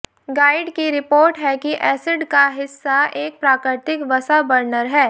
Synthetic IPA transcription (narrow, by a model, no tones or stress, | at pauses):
ɡaːɪɖkiɾɪpoːɾʈɦɛkiʔɛːsɪɖkaɦɪsːaeːk̚pɾaːkɾɪt̪ɪkʋɐsabɐɾnəɾɦɛː